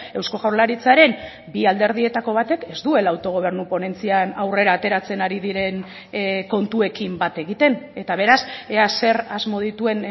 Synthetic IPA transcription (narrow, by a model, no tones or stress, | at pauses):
e̞wsko̞ɣawɾlaɾit͡saɾe̞m | biald̪e̞ɾð̞ie̞t̪ako̞β̞at̪e̞ke̞zd̪ue̞laːwt̪o̞ɣ̞o̞β̞e̞ɾnupo̞ne̞nt͡sianawre̞ɾaːt̪e̞ɾat͡se̞naɾiðiɾe̞n | ko̞nt̪ue̞kimbat̪e̞ɣ̞it̪e̞ne̞t̪aβ̞e̞ɾase̞ase̞ɾazmo̞ð̞it̪ue̞n